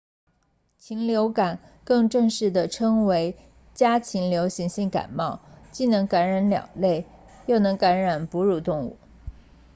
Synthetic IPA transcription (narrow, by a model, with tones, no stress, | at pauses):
t͡ɕʰi˧˥ŋljo˧˥ʊka˨˩n | kɤ˥˧ŋʈ͡ʂɤ˥˧ŋʂɻ̩˥˩d̪ə˩ʈ͡ʂʰɤ˥ŋwe˧˥ɪ | t͡ɕja˥t͡ɕʰi˧˥ŋljo˧˥ʊɕi˧˥ŋɕi˥˩ŋka̰˨˩nmɑ˥˩ʊt͡ɕi˥˩nɤ˧˥ŋka˧˥nɻa˧˥nljɑ̰˨˩ŋle˥˧ɪ | jo˥˩ʊnɤ˧˥ŋka˧˥nɻa˨˩npu˧˥ɻu˥˧˩t̪ʊ˥˧ŋṵ˥˩